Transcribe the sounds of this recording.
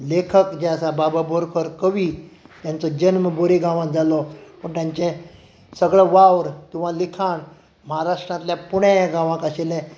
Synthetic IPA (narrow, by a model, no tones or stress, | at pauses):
lekʰəkd͡ʑɛsabababʱoɾkʰəɾkəʋit̪jãnt͡sɔd͡ʑənməboɾiɡãʋãkd͡zalɔpəɳʈ̪jãɲt͡ɕẽ | səɡɭəʋawɾt̪uʋ̤ãlikʰaɳ | məɦaɾaʂʈɾãt̪ljapuɽeɡãʋãkaɕilẽ